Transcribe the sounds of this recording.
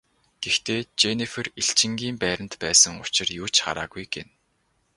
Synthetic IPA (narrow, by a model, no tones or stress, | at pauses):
ɡ̥ext̪ʰeːt͡ɕenifɘ̆riɬt͡ɕɪ̆ŋɡʲiːmpæːɾə̆nt̪pæːsə̆ŋʊt͡ɕɪ̆rjʊːt͡ɕχa̰ɾa̰ːɣujɡen